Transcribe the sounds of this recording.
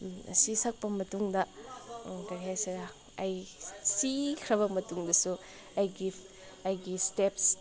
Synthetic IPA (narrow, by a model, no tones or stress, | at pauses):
ɐ̰sisɐk̚pɐmɐtuŋdɐ | kɐɾiɦajsɐɡa | ɐjsikʰɾɐβɐmɐtuŋdɐsu | ɐjɡi | ɐjɡisteps